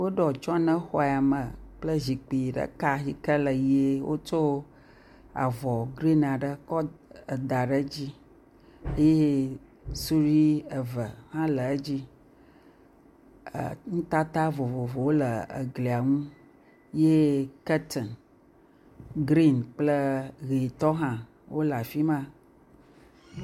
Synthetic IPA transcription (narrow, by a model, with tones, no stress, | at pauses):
wo˦ɖɔ˨t͡ʃɔ˦nə̃˦xɔ˦˨a˨mə˨k͡plə˦zi˨k͡pi˨ɖə̰˨ka˦si˨kə˦lə˨je˦wʔo̰˦t͡ʃo˦ | a̰˨vɔ˨ɡɾi˦na˨ɖə˦kɔ˦ə˨d̪a˨ɖə˦d͡ʑi˦ | e˦je˦ | su˦ɾi˦ə˨və˨hã˦lə˨˦d͡ʑi˦˨ | ŋ̩̃˦t̪a˦t̪a˦vo˨vo˨vo˨wo˦lə˨ə̰˨ɡli˨a˨ŋũ˦ | je˦kə˦t̪ʰɔ˨n | ɡɾi˦nk͡plə˦ɣe˨t̪ɔ˦ɦã˦ | wʔo˦la˨fi˦mã˦